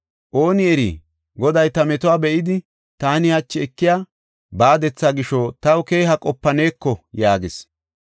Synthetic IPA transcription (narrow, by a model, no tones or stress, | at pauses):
ʔo̞ːnɪɛɾḭː | ɡɔd̪ɐjt̪ɐmɛt̪ʊwaːbɛʔɪd̪ɪ | t̪aːnɪhɐt͡ʃːɪɛkːɪjaː | baːd̪ɛt͡sːaːɡɪʃɔt̪ɐwʊke̞ːɦɐkʼɔpːɐne̞ːkːɔjaːɡɪs